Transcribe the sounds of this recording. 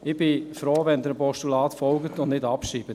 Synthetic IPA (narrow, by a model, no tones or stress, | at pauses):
ɪb̥ɪfɾoːʋɛnd̪əɾpɔʃtulɑːtfɔlɡətʊndnɪdɑpʃiːb̥ət